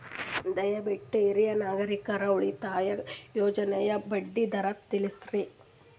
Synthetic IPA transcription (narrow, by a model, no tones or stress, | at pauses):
d̪ɐjɐbiʈːuiɾijɐnaːɡɐɾikɐɾɐuɭit̪aːjɐjɔːd͡ʒɐnɛjɐbɐɖːid̪ɐɾɐp̚t̪ilisɾi